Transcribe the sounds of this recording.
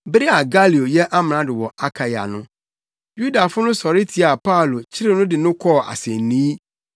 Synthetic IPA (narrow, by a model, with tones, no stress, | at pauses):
bɾi˦a˨ɡa˦li˨o˨jɛ˦ʔa˦m̃˨nã˨dɪ˨wɔ˨a˦kʰa˨ja̰˨nʊ̃˦ | ju˦da˨fʊ˦nʊ̃˦sɔ˨ɾɪ˦tʰi˨a˨pʰa˦˨lo˨t͡ɕʰɪ˦ɾɪ˦nʊ̃˦dɪ˨nʊ̃˦kʰɔ˦˨a̰˨sɛ˨nnĩ˦